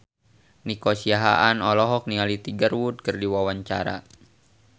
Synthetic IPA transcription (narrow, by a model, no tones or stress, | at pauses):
nikosiaɦa̰ʔanɔlɔɦɔk̚nialit̪iɡərwud̪̚kɨrdiwawaɲt͡ʃa̰ɾa̰